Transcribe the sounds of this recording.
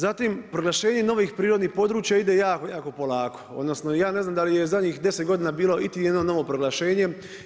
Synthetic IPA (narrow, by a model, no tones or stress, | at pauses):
zat̪impɾoɡlaʃe̞ːɲe̞no̞ʋiːxpɾiːɾo̞d̪niːxpo̞d̪ɾuːt͡ʃjaid̪ejaːkojaːko̞po̞laːkoo̞̰d̪no̞snojaːne̞znaːmd̪alijezadɲiːxd̪e̞set̪̚ɡo̞d̪iːnabiːlo̞it̪ijed̪nono̞ʋo̞pɾoɡlaʃe̞ːɲe̞